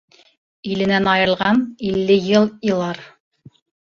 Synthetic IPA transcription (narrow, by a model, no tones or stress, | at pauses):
ilɘ̆nænɑjɤ̆ɾlˠʁɑnilːɘjɤlˠjɤ̆lˠɑɾ